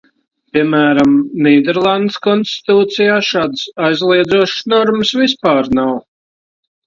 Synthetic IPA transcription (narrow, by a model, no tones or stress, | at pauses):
pʲiɛmæːɾamniːd̪ɛɾlˠand̪skɔnst̪i̥t̪uːt̪sijaːʃaːd̪əsajzlˠiɛd̪zuɔʃsnɔɾməsvispaːɾnaw